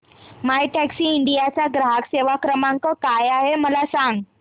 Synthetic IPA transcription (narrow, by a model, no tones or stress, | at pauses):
majʈɛksiːɳɖijat͡ɕaɡɾaɦakseʋakɾəmaŋkəkajaɦeməlasaŋɡ